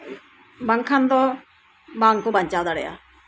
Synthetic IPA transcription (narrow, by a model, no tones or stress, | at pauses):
baŋkʰand̪ɔ | baːŋkubaɲt͡ʃaːd̪aɽɛja̰